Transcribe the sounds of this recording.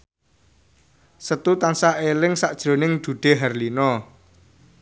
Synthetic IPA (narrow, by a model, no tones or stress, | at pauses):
sət̪ut̪ansaʔelɪŋsaʔd̥ʒ̥ɾo̤nɪŋd̪̥ṳɖ̪̥e̤ɦɛrlinɔ